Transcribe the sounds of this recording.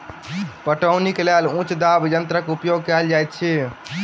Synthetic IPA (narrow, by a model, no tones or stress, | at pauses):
pəʈəʊnikelelũt͡ʃd̪abd͡ʒənt̪ɾəkeupjoɡ̚kɛld͡ʒajt̪̚t͡ʃʰɛ